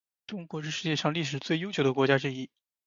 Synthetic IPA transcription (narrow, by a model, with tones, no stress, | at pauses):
ʈ͡ʂʊ˥ŋkwɔ˧˥ʂ̬ɻ̩˥˧ʂɻ̩˥˧t͡ɕjɛ˥˧ʂɑ˥˧ŋli˥˩ʂ̬ɻ̩˨˩t͡swe˥˩ɪjo˥ʊt͡ɕjo˨˩ʊd̪ə˦kwɔ˧˥t͡ɕja˥ʈ͡ʂɻ̩˥˧i˥˩